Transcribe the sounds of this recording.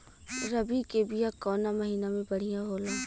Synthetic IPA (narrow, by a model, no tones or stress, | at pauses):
ɾɐbikebɪjakɔːnamɐɦiːnamẽbɐɽ̤ijãɦoːlaː